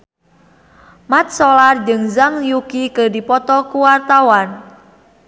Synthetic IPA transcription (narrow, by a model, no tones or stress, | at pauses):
mat̪̚sɔlard͡ʒɨŋzaŋjukikədipɔt̪ɔkuwart̪awan